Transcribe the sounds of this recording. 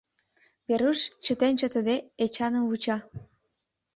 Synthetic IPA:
βeɾuʃt͡ɕə̆t̪ent͡ɕə̆t̪əd̪eːt͡ɕɑnəmβut͡ɕɑ

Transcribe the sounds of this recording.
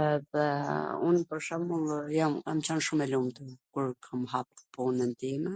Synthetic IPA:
ɛðɛṵnpəɾʃamulˠjamkamt͡ɕanʃumɛlumt̪əkuɾkʰamhappɔnɛnd̪imɛ

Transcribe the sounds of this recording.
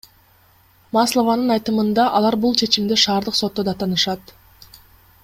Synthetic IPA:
maslˠovɑnɯnɑjt̪ɯmɯnd̪ɑʔɑlˠɑɾbulˠt͡ʃʰe̞t͡ʃimd̪eʃɑːɾd̪ɯqso̞t̪ːod̪ɑt̪ɑnɯʃɑt̪

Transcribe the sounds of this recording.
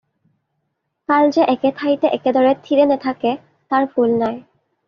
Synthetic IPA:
kalzeʔɛkɛt̪ʰajt̪ɛʔɛked̪ɔɹɛt̪ʰiɾenɛt̪ʰakɛ | t̪aɹpʰulnaj

